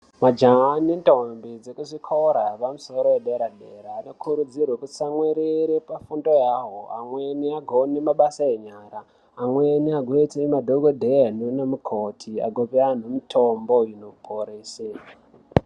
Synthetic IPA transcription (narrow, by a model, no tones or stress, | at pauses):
mad͡ʒanintombid͡zekuʐikʰoɾapamuso̞ɾoweɗeɾaɗeɾaːno̞kʰuɾud͡zirwekusamweɾiɾepafundo̞jaːɦoa̰mweniaɡʱonemaɓasaeɲaːɾaː | mweniaɡʱoeteimadʱoɡʱodʱeanunemukʰotʰia̰ɡʱopean̤omitʰomboinopʰoɾesea